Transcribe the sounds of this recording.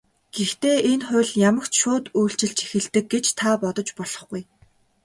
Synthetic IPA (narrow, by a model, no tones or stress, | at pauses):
ɡ̥ext̪eːenχʊ̟ɮjamə̆kt͡ɕʃʊːt̪ujɬt͡ɕɪ̆ɬt͡ɕi̥xɘ̆ɮt̪ɘ̆k̚ːet͡ɕt̪ʰapɔt̪ɞ̆t͡ɕpɔɮ̥ɞ̆χɡuj